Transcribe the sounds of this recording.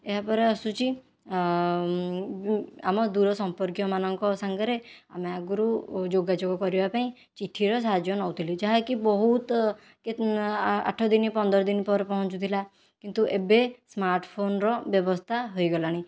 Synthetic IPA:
eɦapɔɾeɔsut͡ʃi | a̰mɔd̪uɾɔsɔmpɔɾkjɔmanɔŋkɔsaŋɡeɾea̰meaɡuɾud͡ʒoɡad͡ʒoɡɔkɔɾibapaĩ | t͡ʃiʈʰːiɾɔsaɦad͡ʒjɔnɔwt̪ʰilid͡ʒaɦekibɔɦut̪ | ke | a̰ʈʰɔd̪inipɔnd̪ɔɾɔd̪inpɔɾpɔɦɔ̃t͡ʃut̪ʰila | kint̪uʔebesmaɾʈpʰonɾɔbjɔbɔst̪ʰaɦojɡɔlaɽ̃ĩ

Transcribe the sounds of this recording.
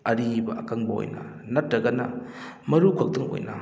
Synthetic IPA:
ɐɾibɐɐkaŋbɐo̰jnɐ̰ | nɐtɾɐɡɐnɐ̰ | mɐɾukʰɐk̚dɐŋo̰jnɐ

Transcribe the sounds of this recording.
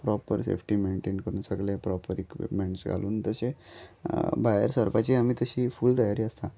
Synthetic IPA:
pɾɔpəɾsḛfʰʈiːmeɳʈeɳkəɾuːnsəɡlepɾɔpəɾikʋḭʈmeɳʈsɡa̰luːnt̪əse | bajə̰ɾsəɾpat͡ɕiːam̤iːt̪əɕiːfuːld̪ajaɾiːəst̪a

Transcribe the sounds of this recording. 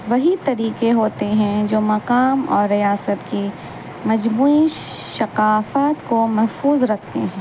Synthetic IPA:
ʋɐɦit̪ɐɾiːqeɦoːt̪eɦɛ̃d͡ʒoːmɐqaːmɔ̰ːɾːijaːsət̪ki | mɐd͡ʒmuːi | ʃɐqaːfaːt̪komɐɦfuːzɾɐk̚ʰt̪ḛɦɛ̃ː

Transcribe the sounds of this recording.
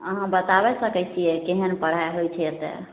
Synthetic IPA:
əɦãbət̪abɛsəkɛt͡ʃʰijɛkeɦənpəɽ̤aɦojt͡ʃʰiɛt̪ɛ̰

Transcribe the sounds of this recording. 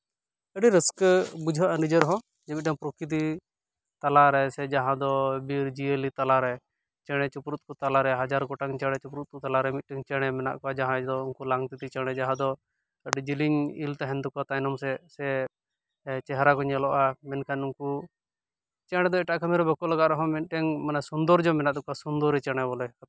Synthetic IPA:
ɛɖɛɾəskbud͡ʒʱəʔanid͡ʒəɾɦɔ̃ | d͡ʒɛmit̪̚ʰãpɾɔkit̪̬i | t̪alaɾɛsɛd͡ʒaɦãd̪ɔbiɾd͡ʒielit̪alaɾɛ | t͡ʃɛɽ̃ɛt͡ʃupɾut̪̚kɔt̪alaɾɛɦad͡ʒaɾkɔʈaŋt͡ʃɛɽ̃ɛt͡ʃupɾut̪̚kɔt̪alaɾɛmit̪̚ʈiŋt͡ʃɛɽ̃ɛmɛna̰ʔkɔad͡ʒaɦãɛd͡ʒd̪ɔũŋkulaŋɡt̪it̪it͡ʃɛɽ̃ɛd͡ʒaɦãd̪ɔ | ɖɛd͡ʒiliɲilt̪aɦɛnd̪ɔkɔat̪ajnɔmsɛsɛ | t͡ʃɛɦɾakɔɲalɔʔamɛnkʰanuŋku | t͡ʃɛɽ̃ɛd̪ɔɛʈaʔkʰamɛɾɛbɔkɔlaɡat̪ɾɔɦɔ̃mɛnʈɛŋmanasund̪ɔɾd͡ʒɔmɛnaʔd̪ɔkasund̪ɔɾɛt͡ʃɛɽ̃ɛbɔlɛk̪

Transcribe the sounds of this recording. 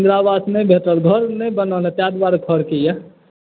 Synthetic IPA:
nd̪ɾabad̪mẽbʱeʈəlɡʱəɾnebənəlet̪jad̪baɾɡʱəɾkeja

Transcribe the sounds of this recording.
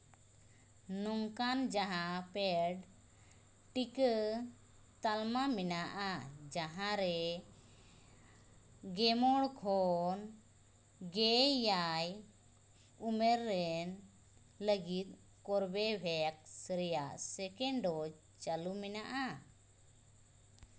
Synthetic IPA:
nɔŋkand͡ʒaɦãpɛɖ | ʈikə | t̪almamɛnaʔad͡ʒaɦãɾɛ | ɡɛmɔɽkʰɔn | ɡɛːaj | umɛɾːɛn | ləɡit̪̚ | kɔɾbɛbʱɛak̚sɾɛjaʔsɛkɛɳɖɔ | t͡ʃalumɛnaʔa

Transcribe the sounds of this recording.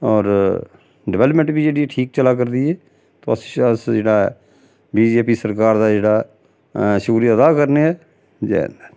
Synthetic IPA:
ɔːɾ | ɖɪʋɛːləpmə̃ɳʈbiːd͡ʒeːɽiːɛːʈʰiːk̚t͡ʃəlaːk̬əɾd̪iːɛː | t̪o̰ːəsəsd͡ʒeːɽaː | biːd͡ʒeːpiːsəɾkaːɾd̪aːd͡ʒeːɽaː | ʃuɾiəd̪aːkəɾneːɛː | d͡ʒḛnd̪ɛː

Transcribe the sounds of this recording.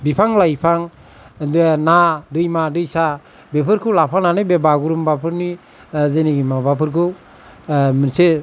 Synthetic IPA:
bipʰaŋlajpʰaŋ | dnadɯjmadɯjsa | bepʰɯɾkʰɯwlapʰananɯjbebaɡuɾɯmbapʰɯɾni | zeniɡimabapʰɯɾkʰɯw | mɯnse

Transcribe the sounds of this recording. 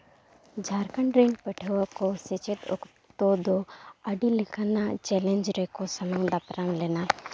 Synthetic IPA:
d͡ʒʱaɾkaɳɾɛnpəʈʰəwakɔsɛt͡ʃɛt̪ɔ̰k | t̪ɔd̪ɔəɖilikʰanat͡ʃɛlɛnd͡ʒɾɛkɔsəmaŋd̪apɾamlɛna

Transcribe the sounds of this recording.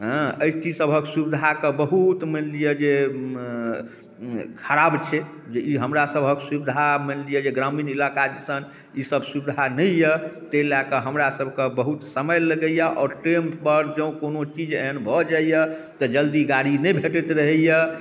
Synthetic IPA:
ɦãəit͡ʃid͡ʒsəbʱəksubid̪ʱakəbəɦut̪mənlijəd͡ʒe | kʰəɾabt͡ʃʰɛ | d͡ʒeiɦəmɾasəbʱəksubid̪ʱamənlijəd͡ʒeɡɾaminilakad͡ʒəsən | isəbʱsubid̪ʱanəjət̪elakəɦəmɾasəbʱkebəɦut̪səməjləɡəjaʔɔːɾʈɾempəɾd͡ʒə̃ʊ̃konot͡ʃid͡ʒeɦənbʱɔd͡ʒaijət̪əd͡ʒəld̪iɡaɽinəjbʱeʈet̪ɾəɦəjə

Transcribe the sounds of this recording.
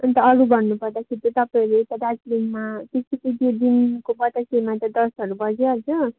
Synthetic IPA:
ʌnt̪ʌʌɾubʱʌnːupʌrd̪akʰeɾit̪ot̪ʌpaĩlet̪ʌd̪ad͡zlinmapit̪ʰipit̪jod̪inkobʌt̪ʌkemat̪ed̪ʌsʌɾubʌd͡zeʌd͡zʌ

